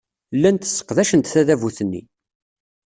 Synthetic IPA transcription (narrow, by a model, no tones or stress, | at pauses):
lːænt̪ə̥sːə̥qðæʃənt̪θæðævuθənːḭ